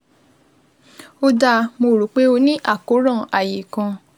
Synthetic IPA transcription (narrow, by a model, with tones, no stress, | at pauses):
o˧da˧mo˧˨ɾu˨˦k͡pe˦o˧nĩ˦ʔa˦˨ko˨˦ɾã˦˨a˨je˨kã˧